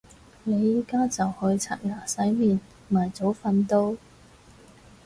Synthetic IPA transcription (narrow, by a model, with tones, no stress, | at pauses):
ne˨˧jiː˨kaː˥t͡sɐ˨whɵ˧ɥt͡sʰa̰ː˨t̚ŋaː˨˩sɐ˨˥jmiː˨n | maː˨˩jt͡so˨˥wfɐ˧nt̪o˧w